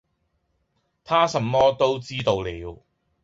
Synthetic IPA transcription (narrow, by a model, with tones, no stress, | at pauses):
t̪ʰaː˥sɐ˧mːɔː˥t̪o˥wt͡siː˥t̪o˧wliː˨˧w